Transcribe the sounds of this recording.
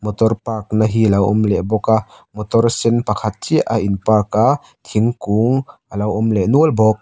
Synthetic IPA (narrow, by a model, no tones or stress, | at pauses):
mɔt̪ɔrpaːk̚naɦilɐwʔɔ̰mleʔbɔka | mɔt̪ɔrsɛnpɐkʰat̪̚t͡ʃiʔaʔinpaːka | t̪ʰiŋkuːŋʔalɐwɔmleʔnuəlbɔk̚